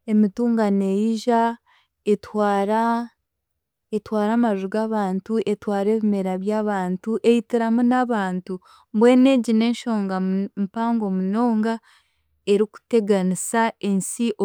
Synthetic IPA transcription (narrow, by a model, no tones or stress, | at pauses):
e̞mituːŋɡane̞jiʒa | e̞twaːɾa | etwaːɾaːmaʒuɡaβaːntuʔe̞twaːɾe̞ːβime̞ɾaβjaβaːntuʔe̞jitiɾamunaβaːntu | bwe̞ːne̞ɟine̞ːnʃo̞ːŋɡampaːŋɡo̞muno̞ːŋɡa | e̞ɾiku̥te̞ɡanisaensiʔo